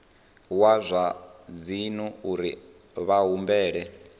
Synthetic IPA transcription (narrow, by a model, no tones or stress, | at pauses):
wazʷad͡zinuuɾi | βaɦumbɛːɺɛ